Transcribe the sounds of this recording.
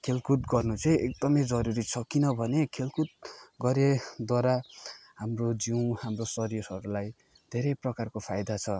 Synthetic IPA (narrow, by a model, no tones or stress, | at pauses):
kʰelkut̪ɡʌrnut͡sʌj̃ek̚d̪ʌmʌjd͡zʌɾuɾit͡sʰʌkinʌbʱʌnekʰelkut̪̚ɡʌɾed̪waɾaɦamrod͡ziw̃hamrosʌɾijosʌɾulaj | d̪ʱeɾʌjprʌkarkopʰajd̪at͡sʰʌ